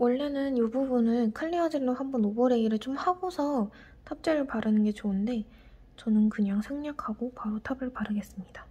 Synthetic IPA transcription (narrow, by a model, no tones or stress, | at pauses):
wʌɭːe̞nɯnjububunɯɭkʰɯɭːiad͡ʑiɭːohambʌnobʌɾe̞ɡiɾɯɭt͡ɕomhaɡosʰʌ | tʰap̚t͡ɕ͈eɾɯɭpaɾɯnɯnɡe̞t͡ɕoɯnde̞ | t͡ɕʌnɯnkɯɲaŋsʰeŋɲakʰaɡopaɾotʰabɯɭpaɾɯɡe̞s͈ɯmɲid̥a